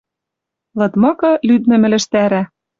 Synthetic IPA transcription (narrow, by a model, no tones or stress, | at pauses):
lɤ̆t̪mɑkɤ̆lyd̪mɘ̆mɘ̆lɘ̆ʃt̪æɾæ